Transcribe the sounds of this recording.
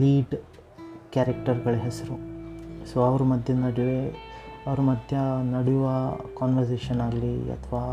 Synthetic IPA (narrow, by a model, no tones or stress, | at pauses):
liːɖ | kaːɾɐk̚ʈɐɾɡɐɭɐɦesɐɾusoɐʋɐɾumɐd̪ʱjɐnɐɽiʋeɐʋɐɾumɐd̪ʱjɐnɐɽejuʋɐkaːnʋɐɾseːʃɐnaːɡɐliɐ̰t̪ʰʋaː